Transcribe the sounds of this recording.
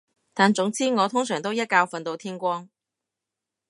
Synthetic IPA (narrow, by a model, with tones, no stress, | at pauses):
t̪aː˨nt͡sʊ˨˥ŋt͡siː˥ŋɔː˨˧t̪ʰʊ˥ŋsœː˨˩ŋt̪o˥wjɐ˥t̚kaː˧wfɐ˨nt̪o˧wt̪ʰiː˥nkʷɔː˥ŋ